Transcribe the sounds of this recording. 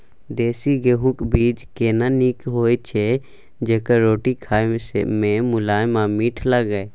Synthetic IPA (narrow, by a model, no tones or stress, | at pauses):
d̪eːsiɡeɦũkbiːd͡ʒkeːnanikɦoːet͡ʃʰe | d͡ʒeːkaɾoːʈikʰaːsmẽmʊlaːjmãmiːʈʰlaɡəe